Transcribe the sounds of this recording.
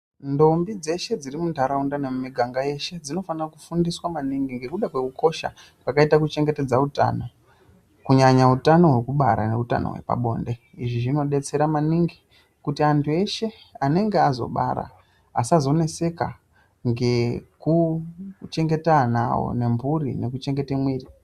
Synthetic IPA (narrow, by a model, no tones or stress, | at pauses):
ndo̞mbid͡ze̞ʃe̞d͡zirimundʱaɾaundanemumiɡʱaŋɡaje̞ʃe̞d͡zino̞fanirakufundiswamaniŋɡiŋɡe̞kuɗakwe̞kuko̞ʃa̰ | pakaitakut͡ʃe̞ŋɡe̞te̞d͡zauta̰ːno̞ | kuɲaɲautano̞ɦwe̞kuɓaɾa̰ne̞uta̰no̰we̞̰pa̰ɓo̞̰ːnde̞ | iʐiʐino̞ɗe̞t͡se̞ɾamaniŋɡi | kutiantʰue̞ʃe̞ | ane̞ŋɡeazo̞̰ɓa̰ɾa̰ | a̰sazo̞ne̞se̞ka̰ | ŋɡe̞ku | t͡ʃe̞ŋɡe̞tana̰wo̰ne̞mbuɾḭne̞kut͡ʃe̞ŋɡe̞temwiːri